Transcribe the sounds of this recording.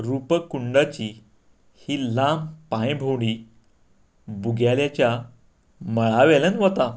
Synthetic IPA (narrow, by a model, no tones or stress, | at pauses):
ɾupəkuɳɖat͡ɕiː | hiːlampãjbʱowɽ̃iː | buɡʱjaljat͡ɕja | məɭaʋɛlənʋɔt̪a